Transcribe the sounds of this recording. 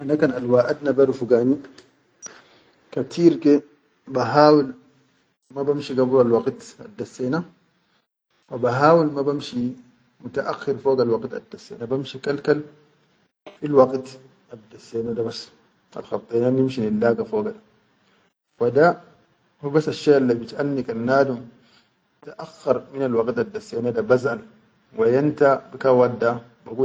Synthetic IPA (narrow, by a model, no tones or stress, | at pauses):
ʔanakaːnalwaːʔad̪nabaɾufuɡaːni | kat̪ʰiːɾke | baɦaːwil | mabamʃiɡabuɾalwɑɡt̪a̰d̪ːasːeːna | wabaɦaːwilmabamʃi | mut̪aʔaxːiɾfoːɡalwaɡt̪a̰d̪ːasːḛːnabamʃikalkal | filwɑɡt̪ | ʔad̪asːeːnadabasː | ʔa̰lxɑt̪ˤːenanimʃinilːaːɡafoːɡada | fada | hubasːaʃːaalːibitʔalnikanːaːdum | t̪aʔaxːɑɾˤminalwɑɡt̪adːasːeːnadabazʔal | wajant̪abikawadːa | baɡuː